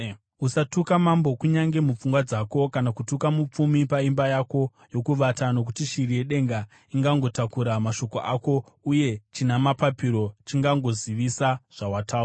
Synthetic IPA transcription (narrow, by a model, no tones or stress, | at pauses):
usatukamambo̞kuɲaŋɡe̞mup͡fuŋɡwad͡zako̞kanakutukamup͡fumipaimbajako̞ | jo̞kuʋatano̞k̬utiʃirije̞ɗe̞ŋɡa | iŋɡaŋɡo̞takuɾamaʃo̞ko̞ʔako̞ | uje̞t͡ʃinamapapiɾo̞t͡ʃiŋɡaŋɡo̞ziʋisaʐ̥awataː